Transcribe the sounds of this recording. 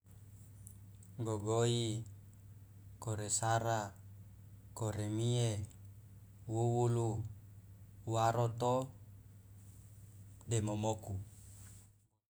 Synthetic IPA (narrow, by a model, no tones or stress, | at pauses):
ŋɡoɡoi | koɾesaɾa | koɾemie | wuwulu | waɾot̪o | demomoku